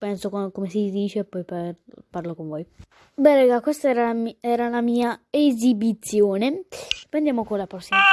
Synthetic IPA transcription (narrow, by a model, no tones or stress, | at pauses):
pɛnsokkomesid̪iːt͡ʃepːɔjpfarlokoɱvɔːj | bɛlɛɡakwest̪aɛɾaɛːɾalamiːaezibit̪sːjoːnepɾend̪jaːmokonlapɾɔsːima